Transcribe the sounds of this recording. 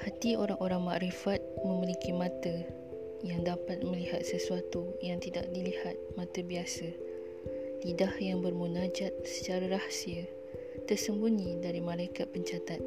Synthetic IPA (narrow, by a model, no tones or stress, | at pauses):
hat̪ioɾaŋʔoɾaŋmaʔɾifat̪̚mə̃milikimãt̪ə | jaŋdapat̪̚mə̃liɦat̪̚səsuat̪ujaŋt̪idak̚dilihat̪̚mãt̪əbiasə | lidahjaŋbərmunad͡ʒat̪̚sə̥t͡ʃaɾaɾahsiə | t̪ərsəmbuɲĩdaɾimãlajkat̪̚pəɲt͡ʃat̪at̪̚